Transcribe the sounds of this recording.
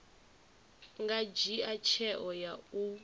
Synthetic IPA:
ŋɡad͡ʒiat͡ʃʰɛʔɔjau

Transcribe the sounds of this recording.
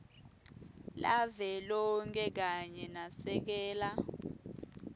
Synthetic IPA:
lavɛlɔŋkʰʼɛk̬aɲɛnasɛk̬ɛːla

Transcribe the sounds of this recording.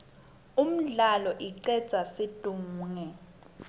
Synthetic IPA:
um̩ɮalɔʔiǀɛd̥z̥ʱasid̥ʱum̩ːŋɛ

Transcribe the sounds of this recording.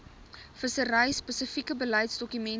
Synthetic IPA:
fəsəɾəjspəsəfikəbəlɐjtsdɔkymɛn

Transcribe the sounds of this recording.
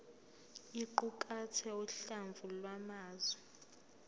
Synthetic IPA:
iǃukʼatʰɛuɬaɱvʱulwamaːzwɛ

